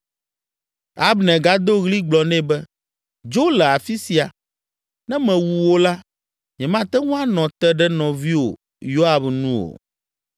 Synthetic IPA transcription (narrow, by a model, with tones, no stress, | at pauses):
a˦bnɛ̃˨ɡa˨d̪o˦ɣli˦ɡ͡blɔ˨nɛ̃˦bɛ˦ | d͡ʒo˦lɛ˨a˨fi˦si˨a˨ | nɛ̃˦mɛ̃˨wu˨wo˦la˦ | ɲɛ̃˨mã˦t̪ɛ˦ŋũ˦a˦nɔ̃˨t̪ɛ˦ɖɛ˦nɔ̃˨vi˦wo̰˨ | jo˦a˨bnũ˦o̰˨